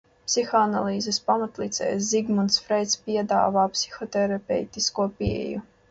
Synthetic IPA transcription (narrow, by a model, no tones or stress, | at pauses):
psixɔanalˠiːzɛspamat̪lit̪sʲɛ̰ːjsziɡmunt̪sfɾɛjt̪spʲiɛd̪a̰ːvaːpsi̥xɔt̪ɛɾapʲɛ̰jt̪iskuːɔpiɛ̰ju